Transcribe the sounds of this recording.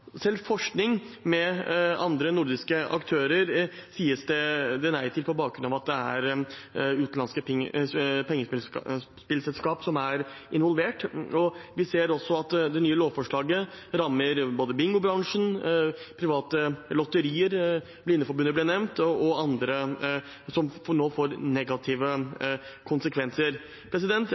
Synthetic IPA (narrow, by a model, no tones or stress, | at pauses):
sɛlfɔʂknɪŋmɛɑ̰nd̪ɾənʊɾd̪ɪskəʔɑ̰kt̪ʰøːɾəɾsiːəsd̪ɛd̪ɛnæɪt̪ʰɪlpʰɔbɑːk̚ɡɾʉnɑʋɑt̪̚d̪ɛæ̰ɾ | ʉːt̪nlɑnskə | pʰɛŋːə | spɪlsɛlskɑːpsɔmæɾ | ɪnʋɔlʋeːʈɔʋɪseːɾɔsːɔɑt̪d̪ɛnyːəloːʋfɔʂɭɑːɡəɾɑmːəɾboːd̪əbɪŋɡʊbɾɑŋʂən̩pʰɾɪʋɑːt̪əlɔt̪ːəɾiːəɾ | blɪnːəfɔɾbʉnːəblɪnɛʋnt̪ɔɑnd̪ɾə | sɔmnoːfoːɾnɛɡɑt̪ʰiːʋə | kʰʊnsəkʰʋɛnsəɾ | pʰɾɛs̬ɪd̪ɛnt̪